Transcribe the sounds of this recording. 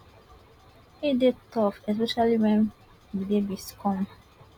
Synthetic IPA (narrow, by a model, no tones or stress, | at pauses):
hidetʰɔfɛspɛʃaliwɛ̃n | widebiskʰɔ̃m